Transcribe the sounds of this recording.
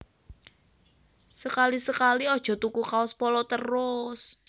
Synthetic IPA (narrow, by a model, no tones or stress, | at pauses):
səkalisəkaliɔd̥ʒ̥ɔ̤t̪ukukaʊspɔlɔt̪ərʊs